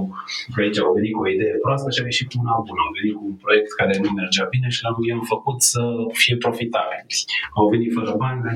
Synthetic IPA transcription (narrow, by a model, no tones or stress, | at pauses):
pait͡ʃaove̞nit̪kuo̞id̪ejepɾoast̪əʃiaeʃit̪unabunamve̞nit̪kuunpɾo̞je̞k̚t̪kaɾe̞nuemerd͡ʒabine̞ʃilamjamfəkut̪səfije̞pɾo̞fit̪abilʲawve̞nit̪fəɾəbanʲla